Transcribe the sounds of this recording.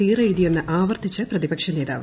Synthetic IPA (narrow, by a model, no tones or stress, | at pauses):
iːreɻuðije̞nːɨʔaːʋɐrt̪it͡ɕːɐprɐðibɐkʂɐne̞ːða̰ːʋɐ